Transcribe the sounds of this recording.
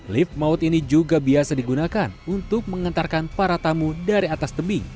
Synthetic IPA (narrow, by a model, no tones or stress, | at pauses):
lɪfmaʊt̪inid͡ʒuɡabiasadiɡunakanunt̪ʊk̚məŋənt̪arkanpaɾat̪amudaɾiat̪ast̪əbɪŋ